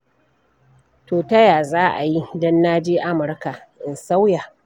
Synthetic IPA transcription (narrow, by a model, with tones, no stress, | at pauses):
toː˨tɐ˦jaː˨zaː˦ʔa˨ji˦dɐ˦nːaː˦d͡ʒeː˦ʔa˦mʊ˨rka˨ʔɪ˨nsa˦wja˨